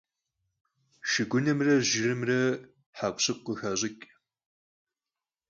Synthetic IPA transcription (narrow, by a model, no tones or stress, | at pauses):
ʃɪɡʷʊnɐmrɐʒɪrɨmrɐ | ħakʷɕɨqʷəxɐʑʼɪkʲʼ